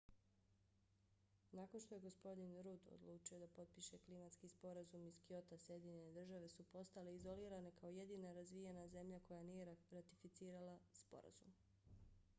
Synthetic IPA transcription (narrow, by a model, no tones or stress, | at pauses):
nakonʃt̪o̞jeɡo̞spo̞d̪inɾud̪o̰d̪lˠuːt͡ʃio̞d̪apo̞t̪̚piʃe̞klimat̪skiːspo̞ɾazumiskio̞t̪asje̞d̪iɲene̞d̪r̩ʒaʋe̞supo̞st̪ale̞izo̞liːɾane̞kao̞je̞d̪iːnaɾazʋijenaze̞mʎako̞janiːjeɾat̪ifit̪siːɾalaspo̞̰ɾa̰zṵm